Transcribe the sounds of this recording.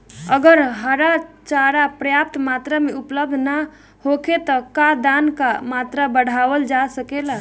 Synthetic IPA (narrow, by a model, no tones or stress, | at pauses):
əɡəɾɦəɾat͡ʃaɾapɾəjap̚t̪mat̪ɾəmeupləb̚d̪ʱna | hokʰet̪əkad̪ankamat̪ɾəbəɽ̤ʱaʋəld͡ʒasəkela